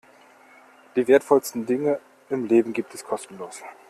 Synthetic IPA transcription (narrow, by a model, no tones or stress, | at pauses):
d̥iːveːɐtfɔlstn̩dɪŋə | ɪmleːbm̩ɡiːp̚tʰɛskʰɔstn̩loːs